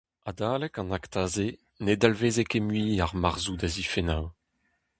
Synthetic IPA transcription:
ad̪aːlɛkɑ̃nakt̪aːze | ned̪alveːzekemɥiːaʁmaʁzud̪azifenaw

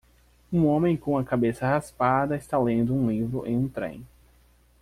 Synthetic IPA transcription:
ũõmẽj̃kõw̃ɐkabesɐhaspad̪ɐɪst̪alẽnd̪ʊũlivɾʊʔḛ̃j̃ũt̪ɾḛ̃j̃

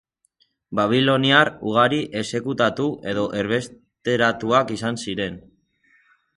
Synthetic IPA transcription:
baβ̞ilo̞niaruɣ̞aɾiʔe̞se̞kut̪at̪uʔe̞ð̞o̞ʔe̞ɾβe̞s | t̪e̞ɾat̪uakisansiɾe̞n

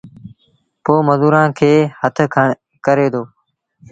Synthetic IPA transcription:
poːməzuːɾãːkʰeːhət̪ʰkʰəɳ | kəɾeːd̪oː

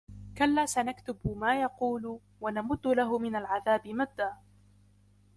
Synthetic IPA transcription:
kalːaːsanakt̪ʊbmaːjɑquːlʊ | wanamʊd̪ːʊlaɦʊmɪnalʕaðaːbɪmad̪ːaː

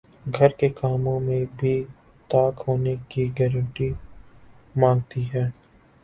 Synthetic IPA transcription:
ɡʱɐɾkekaːmõmẽbʱi | t̪aːkɦoːnekiɡɛːɾə̃ɳʈi | mãːŋɡ̚t̪iɦɛː

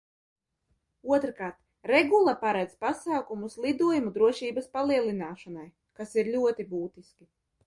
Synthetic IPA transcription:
uɔt̪ɾkaːɾt̪ | ɾɛɡulˠapaɾɛd̪zpasaːkumuslˠid̪uɔjumud̪ɾuɔʃiːbaspalˠiɛlˠinaːʃanaj | kasiɾlʲuɔt̪ibuːt̪iskʲi

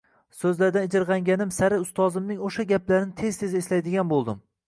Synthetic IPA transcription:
sɵzlaɾd̪anɪd͡ʒɪɾʁɑŋɡʲanɪmsaɾɪʊst̪ɒzɪmnɪŋoʃaɡʲaplaɾɪnɪt̪ʰe̞z̥t̪ʰe̞zɪːslajd̪ɪɡʲanbolˠd̪ɪm

